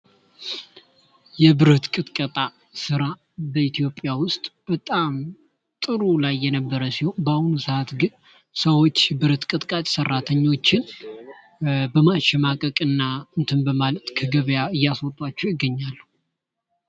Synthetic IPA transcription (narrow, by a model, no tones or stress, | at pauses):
jɛbɨɾət̪kʼɨt̪ʼkʼət̪ʼa | sɨɾa | bəit̪ijo̞pʼːjawʊst̪ʼb̥ət̪ʼam | t̪ʼɨɾulajːɛnəbːəɾəsiho̞nbahunusɨʔat̪ɡɨn | səwo̞t͡ʃːbɨɾət̪kʼɨt̪ʼkʼat̪ʼsərːat̪ʰəɲːo̞t͡ʃːɪn | bəmaʃɛmakʼəkʼɨnːaɨnt̪ʰɨmbəmalət̪kʰəɡəβjaɨjːasot̪ʼwat͡ʃːɛwjɪɡːəɲːalːə